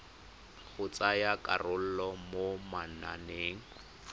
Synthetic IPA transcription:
ɣʊt͡sajakʼa̰rʊl̩lɔmomana̰neːŋ̩

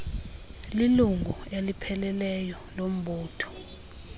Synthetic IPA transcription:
liluŋʱuelipʰɛlɛlɛjɔ | lom̩ɓuːtʰɔ̥

